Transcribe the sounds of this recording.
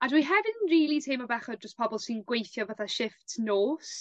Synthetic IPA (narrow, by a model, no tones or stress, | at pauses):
adwiɦɛvɪnnɹiːlˠitʰejmɔbɛχɔdd͡ʒəspʰɔbɔlˠsinɡwejθjɔvaθaʃɪftnoːs